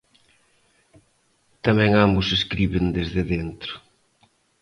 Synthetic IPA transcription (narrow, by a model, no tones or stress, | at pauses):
t̪amɛ̃ŋambʊseskɾiβɪnd̪ezðɪðent̪ɾʊ̥